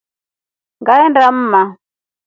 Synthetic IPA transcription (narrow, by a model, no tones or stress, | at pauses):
ŋɡaɛndam̩ːma